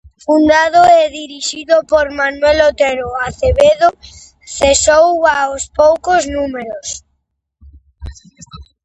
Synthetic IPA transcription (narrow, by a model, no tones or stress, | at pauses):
fund̪aðoɛðiɾiʃiðopoɾmanwelot̪eɾoaθeβeðo | θesowaospowkoznumeɾos